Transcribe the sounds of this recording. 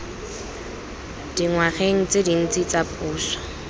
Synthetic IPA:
d̥iŋwaχeŋ̩t͡sedin̩t͡sit͡sapʼuːswḁ

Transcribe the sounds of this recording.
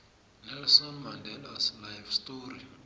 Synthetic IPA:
nɛlsamːandɛlaslajvstoɾi

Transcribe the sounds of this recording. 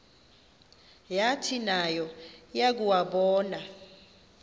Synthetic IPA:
jatʰinajɔjak̬uwaɓɔːna

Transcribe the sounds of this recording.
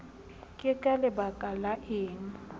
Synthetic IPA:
kʼɪkʼalɛbakʼalaʔɪːŋ̩

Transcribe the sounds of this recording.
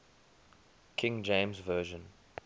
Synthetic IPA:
kʰɪ̃ŋd͡ʒẽɪ̃mzvɜːʒə̃n

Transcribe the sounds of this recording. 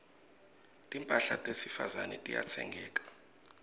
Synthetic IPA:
tʼimpʼaɬatʼwesifazanɛtʼija̰t͡sʰɛ̰ŋɡʱɛːkʼḁ

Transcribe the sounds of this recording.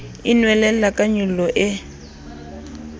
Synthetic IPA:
ɪnwɛlɛakʼaɲulɔʔɪ

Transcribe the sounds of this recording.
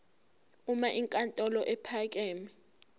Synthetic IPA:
umaʔiŋkʼantʼɔlɔʔɛpʰak̬ʼeːmi

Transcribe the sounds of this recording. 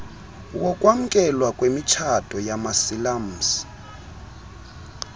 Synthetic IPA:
wɔkʼwam̩kʼɛlwakʼwemit͡ʃʰatʰʼɔjamasilam̩s

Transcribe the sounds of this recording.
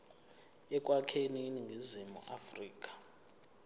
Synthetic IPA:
ɛk̬ʼwakʰeniniŋɡʱizimṵʔafriːk̬ʼḁ

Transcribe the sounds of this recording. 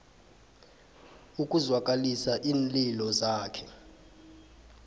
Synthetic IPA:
ukʼuzwak̬ʼalisaʔiːnlilɔzaːkʰɛ̥

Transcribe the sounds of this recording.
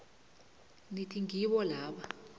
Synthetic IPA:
nitʼiŋʱiɓɔlaːɓa

